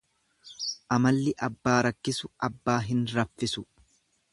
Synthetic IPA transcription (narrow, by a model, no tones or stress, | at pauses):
ʔɐmɐlːɪʔɐbːaːɾɐkːɪsʊʔɐbːaːɦɪnɾɐfːɪsʊ